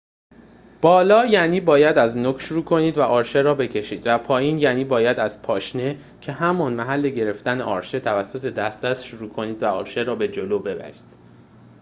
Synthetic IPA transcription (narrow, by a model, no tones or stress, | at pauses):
b̥ɒːlɒːjæniːbɒːjæd̪æznoːkʰʃuɾuːkʰo̞niːd̪væʔɒːɾʃe̞ɾɒːbe̞cʰe̞ʃiːd̪̥væpʰɒːjiːnjæːniːbɒːjæd̪æz̥pʰɒːʃne̞ | cʰe̞hæmɒːnmæɦælːe̞ɟe̞ɾe̞ft̪æneʔɒːɾʃe̞t̪ʰævæsːo̞t̪ʰe̞d̪æst̪d̪æst̪ʃoɾuːkʰo̞niːd̪væɒ̰ːɾʃe̞ɾɒːbe̞d͡ʒoloːbe̞bæ̰ɾi̥ːd̪̥